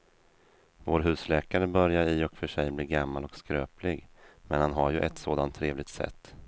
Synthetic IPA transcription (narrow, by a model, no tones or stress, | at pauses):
voːɾɦʉ̟ːslɛːkaɾəbœɾjaɾɪɔkfœʂɛjbliːɾɡamːalɔkskɾøːplɪɡmɛnhanɦaɾjɵʔɛt̪soːd̪ant̪ʰːɾeːvlɪɡ̚t̪sɛ̰t̪ː